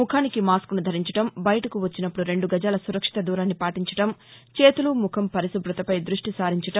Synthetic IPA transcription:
mukʰaːnikimaːskunud̪ʱɐɾiɲt͡ʃɐ̥ʈɐmbɐjɐʈɐkuʋɐt͡ʃːinɐpːɽuɾe̞ɳɖuɡɐd͡ʒaːlɐsuɾɐkʂi̥t̪ɐd̪uːɾaːnːipaːʈiɲt͡ʃɐ̥ʈɐm | t͡ʃe̞ːt̪ulumukʰɐmpɐɾisubɾut̪ɐpɐjd̪ɾuʂʈisaːɾiɲt͡ʃɐʈɐm

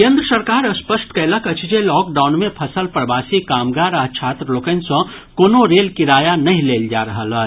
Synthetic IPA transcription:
kẽːnd̪ɾəsəɾkaːɾəspəsʈkələkət͡ʃʰd͡ʒelɔːk̚ɖaːʊnmẽpʰəsəlpɾəbaːsikaːmɡaːɾat͡ʃʰaːt̪ɾəloːkənsɐ̃ | koːnoɾeːlkiɾaːjanɐɦĩleːld͡ʒa̰ɾəɦələ

